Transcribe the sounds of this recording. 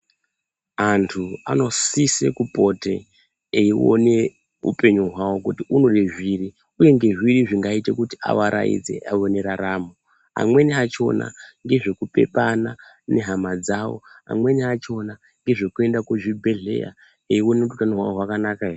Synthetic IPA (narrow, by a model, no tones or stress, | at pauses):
antʰua̰no̞sise̞̰kupo̞te̞ː | io̰ne̞ | ṵpe̞ɲuɦwawo̞kutiʔuno̞ɗeʐiri | uje̞ŋɡe̞ʐwiriʐiŋɡaite̞kuti̥ʔa̰ʋaɾa̰ḭd͡ze̞̰ʔaoneɾaɾaːmu | a̰mwe̞niat͡ʃo̞̰na̰ŋɡe̞ʐe̞kupe̞pana | ne̞ɦamad͡zawo̰ɦa̰mwe̞niat͡ʃo̞na | ŋɡe̞ʐekue̞ndakoʐibʱe̞ɮe̞̰ja̰ | eiwo̞neututanoɦwaoɦwakanakaere